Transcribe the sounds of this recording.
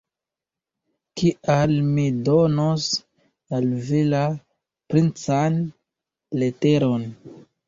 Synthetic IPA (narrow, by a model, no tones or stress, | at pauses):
kiʔalmidonos | alvila | pɾint͡san | le̞te̞ɾo̞n